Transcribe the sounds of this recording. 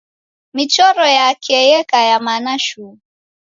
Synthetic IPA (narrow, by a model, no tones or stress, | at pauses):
mit͡ʃɔɾɔjakʰɛjɛkajamanaʃu